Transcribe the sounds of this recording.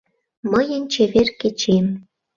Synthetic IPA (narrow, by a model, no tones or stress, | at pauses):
məjə̆nt͡ɕeβerket͡ɕem